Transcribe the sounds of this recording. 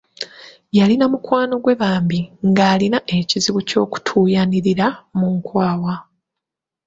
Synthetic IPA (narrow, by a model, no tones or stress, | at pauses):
jalinamukwaːno̞ɡwe̞βaːmbiŋɡaːlinaʔe̞ciziβuco̞ːku̥tʰuːjaniɾiɾamuŋkwaːwa